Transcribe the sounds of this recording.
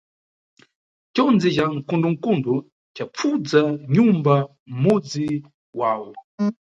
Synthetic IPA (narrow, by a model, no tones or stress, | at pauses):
t͡ʃɔnd͡zid͡ʒaŋ̩kunduŋ̩kundu | t͡ʃap͡fud͡zaɲumba | m̩mud͡zi | wawɔ